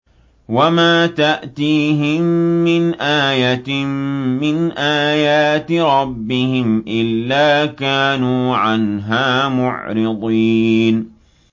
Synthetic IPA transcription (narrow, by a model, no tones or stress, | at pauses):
wamaːt̪aʔt̪iːɦɪmːɪnʔaːjat̪ː | ɪnʔaːjaːt̪ɾˤɑbːɪhɪmʔɪlːaːkaːnuːʕanɦaːmʊ̰ʕɾɪd̪ˤiːn